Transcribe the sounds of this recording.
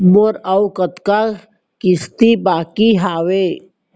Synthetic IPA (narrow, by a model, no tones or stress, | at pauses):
moɾawkət̪ka | kist̪ibaːkiɦaːwe